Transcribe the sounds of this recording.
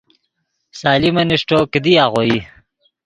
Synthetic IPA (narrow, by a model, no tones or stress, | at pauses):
saːlimɐniʂʈokəd̪iaːʁoji